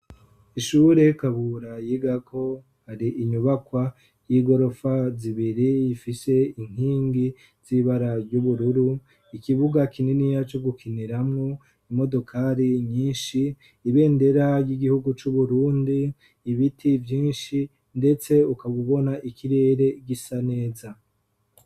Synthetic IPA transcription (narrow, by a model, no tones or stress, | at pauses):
iʃuɾe̞kaβuɾajiɡakʰo̞ | haɾiʔiɲuβakwa | jiɡo̞ɾo̞faziβiɾijifise̞iŋ̥hiːŋɡi | z̥iβaɾaɾɟuβuɾuɾu | ikiβuɡakʰininijat͡ʃo̞ɡukʰiniɾamŋo̞ | imo̞do̞kʰaɾiɲiːnʃiː | βe̞ːnde̞ɾajiɡihuɡut͡ʃuβuɾuːndiː | βitʰivjiːnʃi | nde̞t͡se̞ukaβuβo̞naʔikʰiɾe̞ːɾe̞ɡisane̞ːza